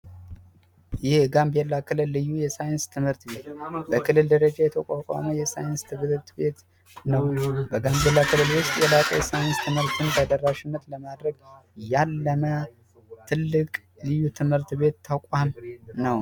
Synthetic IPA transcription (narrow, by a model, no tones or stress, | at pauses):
jɪhɡambelːakʰɨlɨlːɨjːujɛsajɪnst̪ʰɨmhɨɾt̪be̞t̪bəkʰɨlːɨld̪əɾəd͡ʒajɛt̪ʰəkʼakʼa̰məjɛsajɪnst̪ʰɨmt̪be̞t̪ | nəwbəɡambe̞lːakʰɨlɨlwʊst̪ʼjɛlakʼə̰jɛsajɪnst̪ʰɨmhɨɾt̪ʰɨnd̪ad̪ərːaʃɪnːət̪ləmad̪ɾəɡjalːəmə | t̪ʰɨlːɨkʼ | lɨjːut̪ʰɨmhɨɾt̪βe̞t̪ʰːakʼamnəw